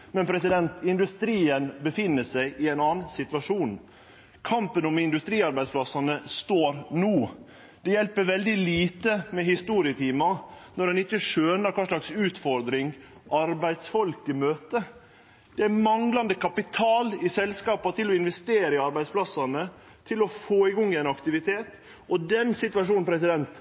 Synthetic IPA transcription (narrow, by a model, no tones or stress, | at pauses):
mɛnpʰɾɛsɪd̪ɛnt̪ʰɪnd̪ʉst̪ɾiːənbəfɪnːəsæɪʔɪæɪnɑːnn̩sɪt̪ʋɑʂuːn | kʰɑmpənʊmɪnd̪ʉst̪ɾiːɑɾbæɪspʰlɑsɑnəst̪oːɾnuː | d̪̥ɛjɛlpəʋɛld̪ɪliːt̪əmɛhɪst̪uːɾɪət̪ʰiːmɑ | nɔɾɖɛnɪçːəʂøːnəɾkʰɑːʂɭɑksʉːt̪fɔɾd̪ɾɪŋ | ʔɑɾbæɪd̪sfɔlkɪmøːt̪ə | d̪̥ɛæmɑŋlɑnd̪əkʰɑpɪt̪ʰɑːlɪsɛlskɑːpɑt̪ʰɪlɔɪnʋɛst̪eːɾəɪɑɾbæɪd̪spʰlɑsɑnə | t̪ʰɪlɔfoːɪɡɔŋːɪɛnɑkt̪ɪʋɪt̪ʰeːt̪ | ɔd̪ɛnsɪt̪ʉʋɑʂuːnn̩pʰɾɛs̬ɪd̪ɛnt̪